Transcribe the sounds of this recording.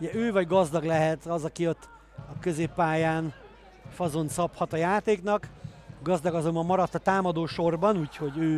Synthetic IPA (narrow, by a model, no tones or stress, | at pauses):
uɟɛʔøːvɒɟɡɒzd̪ɒɡlɛɦɛt̪ɒzɒkiot̪ː | ɒkø̞zeːpːaːjaːn | fɒzo̞nt̪sɒphɒt̪ɒjaːt̪eːknɒk | ɡɒzd̪ɒɡɒzo̞mbɒmːɒɾɒt̪ːɒt̪aːmɒd̪oːʃo̞rbɒnuːcho̞ɟøː